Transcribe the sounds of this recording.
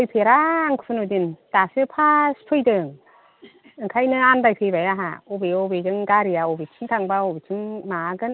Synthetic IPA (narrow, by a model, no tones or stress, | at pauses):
ojpʰeɾaːŋkʰɯpʰɯnudintasɯpʰaspʰɯjdɯŋ | ɯŋkʰajnɯandajpʰebajaɦa̰obeɔbed͡ʒɯŋɡaɾijaobet͡ʃʰɯŋtʰaŋbaobet͡ʃʰɯŋmaɡɯn